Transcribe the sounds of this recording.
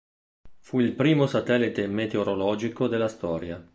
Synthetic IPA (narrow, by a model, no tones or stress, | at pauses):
fuilpɾiːmosat̪ɛlːit̪emet̪eoɾolɔːd͡ʒikod̪elːast̪ɔːɾja